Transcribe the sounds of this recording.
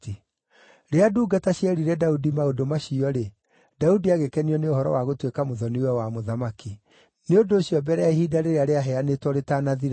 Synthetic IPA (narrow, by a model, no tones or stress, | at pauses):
i | ɾeaduːɡataɕjɛɾiɾɛdaudimaodomaɕiɔɾe | daudiaɣekɛniɔneohɔɾɔ̰waɣotwekamoðɔniwɛwamoðamaki | neondoːɕiɔbɛɾɛahiːdaɾeɾeaɾeaɦɛanetwɔɾetaːnaðiɾ